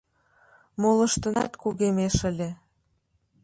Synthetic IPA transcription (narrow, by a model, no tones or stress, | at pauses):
molə̆ʃt̪ə̆nɑ̰t̪kuɣemeʃə̆lʲe